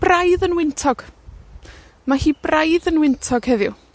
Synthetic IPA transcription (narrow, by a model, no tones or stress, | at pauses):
b̥rajðənwɪntʰɔɡ̥ | mahiːbrajðənwɪntʰɔɡ̥hɛðjʊ̰